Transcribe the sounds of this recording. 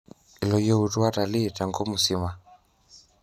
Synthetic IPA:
i˨lɔ˨jɔ˦u˨tu˦wa˦ta˨li˦˨ta˨ŋɡɔ˦mu˨si˦ma˨

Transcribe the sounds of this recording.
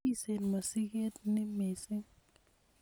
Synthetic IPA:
i˦se˨nma˨si˦k̬e˦tnɛ˦mɛː˨sɪ˦ŋ

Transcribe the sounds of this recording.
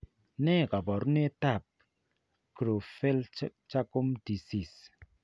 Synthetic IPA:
ne˦˨ka˨bɔ˨ɾu˦ne˦ta˦˨p̚ | kɾo˨fe˦lt͡ʃa˦ko˦mdi˨si˨s

